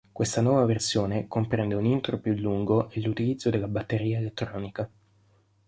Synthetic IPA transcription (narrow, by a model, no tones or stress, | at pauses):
kwest̪anwɔːvaversjoːnekompɾɛnd̪eunint̪ɾopjulːuŋɡoʔelːut̪ilid̪zːod̪elːabat̪ːeɾiːaelet̪ːɾɔːnika